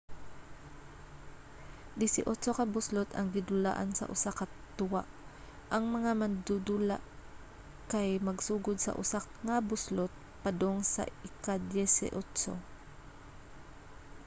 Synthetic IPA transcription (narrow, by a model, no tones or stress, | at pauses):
d̪ɪsɪʔot͡ʃokɐbʊslot̪ɐŋɡɪd̪ʊla̰ːʔansɐ̰ʔʊ̰sakɐt̪ʊwaʔ | ʔɐŋmɐŋamɐnd̪ud̪ula̰ʔ | kajmɐɡsuːɡod̪̚sɐ̰ʔʊ̰sa | ŋabʊslot̪̚ | pɐd̪oŋsɐ̰ɪkad̪jɛsɪ̰ʔot͡ʃo̰